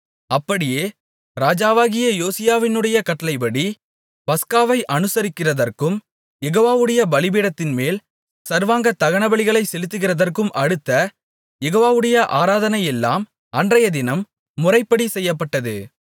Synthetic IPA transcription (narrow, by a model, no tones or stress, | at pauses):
ɐpːɐɽɪjeː | ɾaːd͡ʒaːʋaːɣɪjɐjoːsɪjaːʋɪnɯɽɐjɐkɐʈːɐlɐɪpɐɽi | pɐskaːʋɐɪʔɐnɯsɐɾɪkːɪrɐðɐrkɯm | jɛɣoːʋaːʋɯɽɐjɐbɐlɪbiːɽɐt̪ːɪnmeːl | sɐɾʋaːŋɡɐt̪ɐɣɐɳɐbɐɭɪɣɐɭɐɪsɛlɯt̪ːɯɣɪrɐðɐrkɯmɐɽɯt̪ːɐ | jɛɣoːʋaːʋɯɽɐjɐʔaːɾaːðɐnɐjɛlːa̰ːm | ɐndrɐjɐd̪ɪnɐmː | ʊrɐɪpːɐɽisɛjːɐpːɐʈːɐðɯ